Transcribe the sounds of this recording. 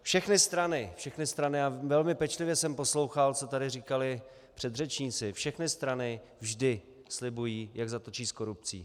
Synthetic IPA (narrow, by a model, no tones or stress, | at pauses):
fʃɛxnɪst̪ɾanɪfʃɛxnɪst̪ɾanɪavɛlmɪpɛt͡ʃlɪvjɛsɛmpo̞slo̞wxalt͡so̞t̪adɪriːkalɪ | pr̥ɛd̪r̝ɛt͡ʃɲiːt͡sɪfʃɛxnɪst̪ɾanɪ | vʒdɪ | slɪbujiːjaɡzat̪ot͡ʃiːsko̞ɾup̚t͡sḭː